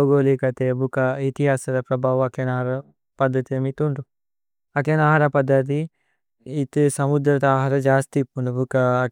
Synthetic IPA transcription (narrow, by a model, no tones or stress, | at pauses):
ɡoːlikɐt̪eːbukɐit̪iɦaːsɐɾɐpɾɐbʱaːʋɐkɐnaːɦɾɐ | pɐd̪ʱːɐt̪iɐmit̪uɳɖu | ɐkjɐnaːɦaɾɐpɐd̪ʱːɐt̪̬i | it̪sɐmud̪ɾɐt̪aːɦaɾɐd͡ʒaːst̪ipːunɖubukɐː